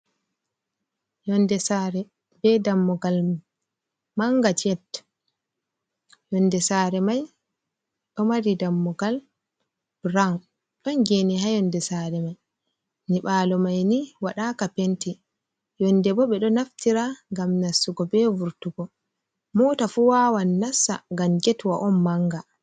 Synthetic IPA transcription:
jɔndɛsaɾɛ | bɛdamːɔɡal | maŋɡat͡ʃɛt | jɔndɛsaːɾɛmaj | ɗɔmaɾidamːɔɡal | b̥ɾawn | ɗɔnɡeniɦajɔndɛsaːɾɛmaj | niɓaːlɔmajniwaɗakapenti | jɔndɛbɔɓɛɗɔnaftiɾaŋɡamnasːuɡɔbɛvuɾtuɡɔ | mɔːtafuwawanːasːa̰ŋɡamɡɛtwaʔɔnːaŋɡa

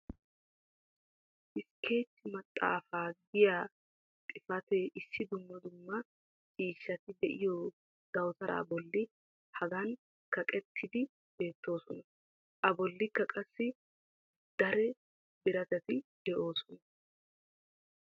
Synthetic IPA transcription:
ʔɪskʰe̞ːt͡ʃːɪmɐt̪ʼːa̰ːfaːɡɪjaː | t̪ʼɪfɐt̪ɛʔɪsːɪd̪ʊmːɐd̪ʊmːɐ | t͡ʃʼiːʃːɐt̪ɪd̪ɛʔɪjo | d̪ɐwt̪ɐɾʔa̰ːbɔlːɪ | hɐɡɐn | kɐkʼɛt̪ʰːɪd̪ɪ | b̥e̞ːt̪ːo̞ːsɔnɐ | ʔɐbɔlːɪkːɐkʼɐsːɪ | d̪̥ɐɾɛ | bɪɾɐt̪ɛt̪ɪd̪̥ɛʔo̞ːsɔnɐ

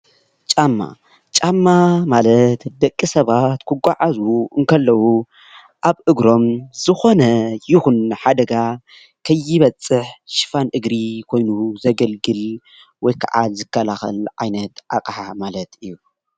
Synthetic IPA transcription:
t͡ʃʼamːa̰ | t͡ʃʼamːamalɐt̪d̪ɐkʼːisɐβat̪kʰɨɡʷaʕazuɨŋkʰɐlːɐwu | ʔaβʔɨɡɾo̞mz̥ɨxo̞nɐjɪxunħad̪ɐɡa | kʰɐjːɪβɐt͡sʼːɨħʃɨ̥fanʔɨɡɾikʰo̞jnuzɐɡɐlɡɨl | wɔjkʰa̰ʕa̰lzɨkʰːɐlaxɐ̰lʕa̰jnɐt̪ʔa̰kʼħamalɐt̪ɨjːu

